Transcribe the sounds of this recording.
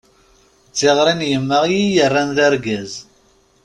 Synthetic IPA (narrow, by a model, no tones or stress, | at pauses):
t͡sːeʁɾinjəmːəʁjijərːanðæɾɡæz